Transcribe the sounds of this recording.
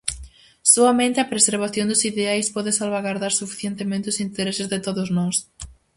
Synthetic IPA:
soamẽnt̪ɪapɾeseɾβ̞aθjõnd̪ʊsiðeajspɔðɪsalβaɣaɾðaɾsufi̥θjent̪emẽnt̪ɪʊsint̪eɾesɪzðɪt̪oðʊznɔs

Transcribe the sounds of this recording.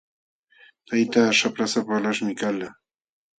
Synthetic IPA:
t̪ajt̪aːʃapɾasapalaʃmɪkala

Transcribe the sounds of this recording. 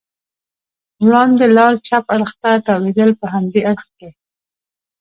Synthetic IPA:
ɾɑnd̪elɑɾt͡ʃapaɽxt̪at̪ɑwed̪əlpəɦamd̪eʔaɽxke

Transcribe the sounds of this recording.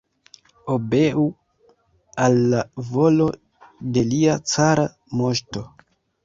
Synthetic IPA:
obe̞u | alːavo̞lo̞ | de̞liat͡saɾa | mo̞ʃto̞

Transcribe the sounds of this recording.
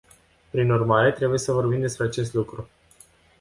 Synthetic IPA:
pɾinurmaɾe̞t̪ɾe̞buje̞səvo̞rbimd̪e̞spɾe̞at͡ʃe̞s̬t̪lukɾu

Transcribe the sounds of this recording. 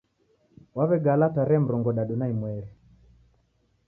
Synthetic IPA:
waβɛɡalataɾɛm̩ɾɔŋɡɔɗaɗunaimwɛɾi

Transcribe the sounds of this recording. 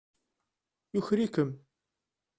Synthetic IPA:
jʊçɾikəm

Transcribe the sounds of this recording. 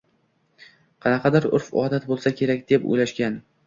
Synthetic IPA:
qʰɑnɑqʰɑd̪ɪɾʊ̰ɾfɒ̰ːd̪at̪̚bolˠsakʲʰe̞ɾakʲd̪e̞po̰jlaʃkʲan

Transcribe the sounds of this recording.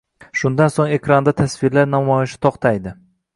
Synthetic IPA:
ʃʊnd̪ansoŋe̞kɾand̪at̪ʰasvɪɾlaɾnamɒjɪʃɪ̥t̪ʰɒqt̪ʰajd̪ɪ

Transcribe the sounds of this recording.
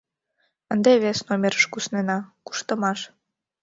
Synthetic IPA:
ənd̪eβesnomʲeɾəʃkusnenɑku̥ʃt̪əmɑʃ

